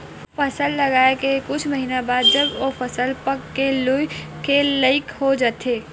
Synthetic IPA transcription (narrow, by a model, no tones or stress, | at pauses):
fɐsəlːɐɡaːekekʊt͡ʃʰməɦiːnabaːd̪d͡ʒɐbofɐsəlpəkːelʊjkeləɪkhod͡ʒaːt̪eː